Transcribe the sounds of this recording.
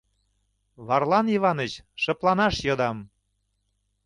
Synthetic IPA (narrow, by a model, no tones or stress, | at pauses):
βɑrlɑniβɑnət͡ɕʃɤ̆plˠɑnɑʃjŏd̪ɑm